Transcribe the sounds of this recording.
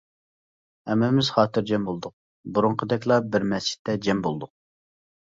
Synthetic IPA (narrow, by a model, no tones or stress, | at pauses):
ɛmːɪmɪz̥χɑːt̪ʰɨɾd͡ʒɛmbolˠd̪ʊq̚ | buɾʊɴqʰəd̪ɛkʲlˠɑbɪɾmɛst͡ʃɪ̥t̪ːɛd͡ʒɛmbolˠd̪ʊq̚